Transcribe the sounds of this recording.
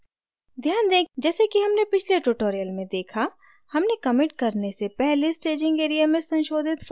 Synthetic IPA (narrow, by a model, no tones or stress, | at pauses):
d̪ʱjaːnd̪eːkd͡ʒɛːsekiɦɐmnepɪt͡ʃʰleʈʊʈoːɾijəlmẽd̪eːkʰa | hɐmnekɐmɪʈ̚kɐɾnesepɛɦlesʈeːd͡ʒɪ̃ŋɡeːɾijamẽsɐ̃nʃoːd̪ʱɪt̪f